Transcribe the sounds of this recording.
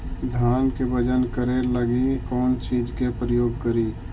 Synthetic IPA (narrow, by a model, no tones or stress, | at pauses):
d̪ʱaːnkebəd͡ʒənkəɾeləɡikɔːnt͡ʃiːd͡ʒkepɾəjoːɡkəɾiː